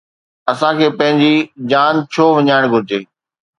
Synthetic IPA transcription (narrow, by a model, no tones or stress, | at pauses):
ɐsãkʰeːpɐ̃ɦɪ̃ɲd͡ʑiːd͡ʑaːnt͡ɕʰoːʋɐɲaːɪɽ̃ɡʱʊɾɪd͡ʑeː